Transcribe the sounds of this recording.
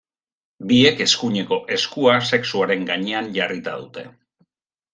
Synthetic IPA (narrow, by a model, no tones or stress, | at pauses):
bie̞ke̞skuɲe̞ko̞ʔe̞skuase̞ksuaɾe̞ŋɡaɲe̞anʎarit̪a̰ð̞ut̪e̞̰